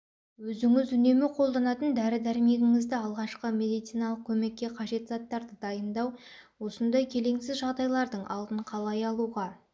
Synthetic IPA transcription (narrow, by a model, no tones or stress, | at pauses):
wɵzɪŋɪzʏne̞mɪqʰo̞lˠd̪ɑnɑt̪ənd̪æɾɪd̪æɾɪme̞ɡʲɪŋɪzd̪ɪɑlˠʁɑʃqəme̞d̪ijt̪sijnɑlˠəq̚kʲʰɵme̞kʲːe̞qʰɑʒe̞t̪zɑt̪ːɑɾd̪əd̪ɑjənd̪ɑwwo̞sənd̪ɑjkʲʰe̞le̞ŋsɪzʒɑʁd̪ɑjlˠɑɾd̪əɴʔɑ̰lˠd̪əɴqʰɑlˠɑjɑlˠuʁɑ